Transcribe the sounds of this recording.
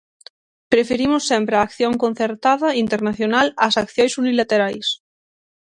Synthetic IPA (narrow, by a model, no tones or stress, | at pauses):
pɾefeɾimosːɛmpɾaːkθjoŋkon̟θeɾt̪aðɐint̪eɾnaθjonalasakθjojsunilat̪eɾajs